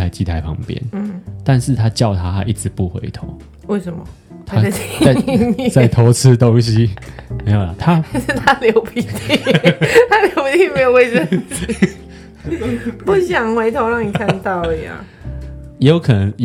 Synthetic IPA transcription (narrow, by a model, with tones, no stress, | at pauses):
a˨˧ɪt͡ɕi˧˥t̪ʰa˨˦ɪpʰɑ̰˧˥ŋpjɛ̰˦n̩˥˩t̪a˥˧nʂɻ̩˥˨t̪ʰa˦t͡ɕjɑ˥˨ʊt̪ʰa˦t̪ʰa˦ʔi˥˩ʈ͡ʂɻ̩˨˦pu˥˨˩xwḛ˨˦ɪt̪ʰo̰˨˦ʊ | we˥˩ɪʂə˨nmɐ̰˨˦ | t̪ʰa˦a˥˧˥a˥˨t͡sa˥˩ɪt̪ʰo˨˥ʊt͡s̩ʰ˦t̪o˦ŋɕ̬i˦me˧˥ɪjo˨˩lɐ˨˦t̪ʰa˦˥˧t̪ʰa˦ljo˧˦ʊpʰi˨˧˩t̪ʰi˥˩t̪ʰa˥ljo˧˥ʊpi˨˧t̪i˥˩me˧˦ɪjo˨ʊwe˥˧ɪʈ͡ʂə˥˧˩t͡s̩˥ | pu˥˩ɕjɑ˨˩ŋxwe˧˥ɪt̪ʰo˧˥ʊɻɑ˥˩ŋni˨˩kʰa˥˧nt̪ɑ˥˩ʊli˨˩ɐ̰˩ | jo˨˧˥ʊkʰɤ˨nə˧˦ŋj